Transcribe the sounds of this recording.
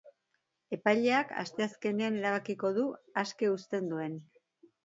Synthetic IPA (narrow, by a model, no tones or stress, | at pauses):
e̞pajʎe̞aka̰st̪e̞aske̞ne̞ane̞ɾaβ̞akiko̞ðuaske̞ust̪e̞nd̪ue̞n